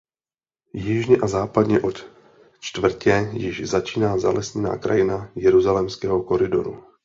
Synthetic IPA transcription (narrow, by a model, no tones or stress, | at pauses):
jɪʒɲɛʔazaːpadɲɛʔo̞t̪ | t͡ʃt̪vr̩cɛjɪʃzat͡ʃiːnaːza̰lɛsɲɛna̰ːkɾa̰jɪnajɛɾuzalɛmskɛːɦo̞ko̞ɾɪdo̞̰ɾṵ